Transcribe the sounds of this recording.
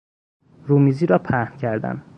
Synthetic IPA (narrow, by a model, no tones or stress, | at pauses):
ɾuːmiːziːɾɒːpʰæhncʰæɾd̪æ̰n